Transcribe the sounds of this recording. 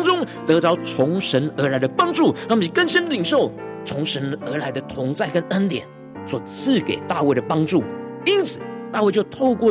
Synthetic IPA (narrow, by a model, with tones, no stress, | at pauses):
ŋʈ͡ʂʊ˥ŋt̪ɤ˧˥t͡sɑ˧˥ʊt͡sʰʊ˧˥ŋʂə˧˥nə˞˧˥la˧ɪd̪ə˧pɑ˥ŋʈ͡ʂu˥˩ɻɑ˥˩ŋpi˨˩kə˥˩nsi˥nli˨˩nʂo˥˩ʊ | t͡sʰʊ˧˥ŋʂə˧˥nə˧˥la˧˥ɪd̪ə˧t̪ʰʊ˧˥ŋt͡sa˥˩ɪkə˦˥nə˥nt̪jɛ̰˨˩˦n | swɔ˨˩t͡sʰɹ̩˥˩ke˨˩ɪt̪a˥˧we˥˩ɪɾə˩pɑ˥ŋʈ͡ʂu˥˩i˥nt͡sʰɹ̩˨˩˦t̪a˥˧we˥˧ɪt͡ɕjo˥˧ʊt̪ʰo˥˧ʊkwɔ˥˨